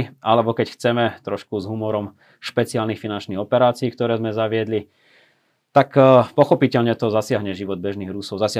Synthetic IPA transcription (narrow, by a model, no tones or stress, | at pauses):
alɛbɔkɛcxt͡sɛmɛt̪ɾɔʃkuzɦumɔɾɔm | ʃpɛt͡siɪaːlnixfinant͡ʃniɣɔpɛɾaːt͡siiːkt̪ɔɾɛːzmɛzaʋɪɛd̪li | t̪akpɔxɔpicɛʎɲɛt̪ɔzasɪaɦɲɛʒiʋɔd̪̚bɛʒniːɣɾusɔʊzasɪ